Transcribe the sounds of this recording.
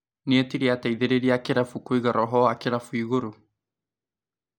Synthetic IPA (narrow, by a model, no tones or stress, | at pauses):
neɛtiɾiataiðeɾeɾiakeɾafukoiɣaɾɔɦɔakeɾafuiɣoɾo